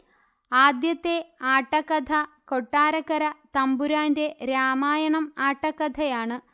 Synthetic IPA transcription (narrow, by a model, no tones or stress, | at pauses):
aːd̪jɐt̪ːe̞aːʈːɐkːɐd̪ʰʱɐko̞ʈːaːɾɐkːɐɾɐt̪ɐmbuɾaːnde̞ɾaːmaːjɐɳɐmaːʈːɐkːɐd̪ʰʱɐjaːɳɨ